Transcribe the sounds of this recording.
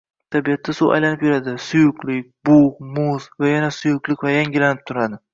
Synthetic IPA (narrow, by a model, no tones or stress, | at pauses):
t̪ʰabijat̪ʰːasua̰jlanɪpjʊɾad̪ɪsʊjʊqlɪk̚ʲbʊhmʊzvajanasʊjʊqlˠɪkʲvajaŋɡʲɪlanɪp̚t̪ʰʊɾad̪ɪ